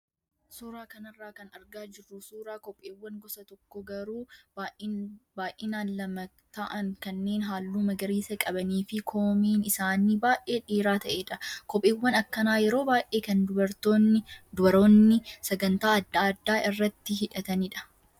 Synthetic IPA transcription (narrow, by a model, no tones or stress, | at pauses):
suːɾaːkɐnɐrːaːkɐnɐɾɡaːd͡ʒɪrːʊsuːɾaːkɔpʼːeːwːɐŋɡɔsɐt̪ɔkːɔɡɐɾuːbaʔbaːʔeːnaːnlɐmɐ | t̪ɐʔɐŋkɐnːe̞ːnɦaːlːuːmɐɡɐɾiːsɐkʼɐbɐniːfɪkʰoːmiːnɪsaːniːbaːʔe̞ːᶑiːɾaːt̪ɐʔeːᶑɐkɔpʼːeːwːɐnɐkːɐnaːjɛɾo̞ːbaːjʔe̞ːkɐnd̪ʊbɐɾt̪oːnɪd̪ʊbɐɾoːnːɪsɐɡɐnt̪aːɐd̪ːaːɐd̪ːaːʔɪrːɐt̪ːɪɦɪᶑɐt̪ɐniːᶑɐ̥